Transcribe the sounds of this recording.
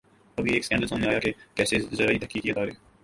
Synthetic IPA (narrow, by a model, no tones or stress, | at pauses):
əbʱieːkskɛ̃ːɳɖəlsõːneaːjaːkekɛːsezəɾaːiːt̪əhkiːkiːət̪aːɾeː